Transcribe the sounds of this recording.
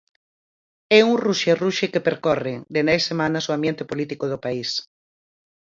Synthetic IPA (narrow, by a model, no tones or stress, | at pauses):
ɛuŋruʃeruʃekepeɾkɔreŋd̪enɛjsemanɐsoambjent̪ɪpolit̪ikoð̞ʊpais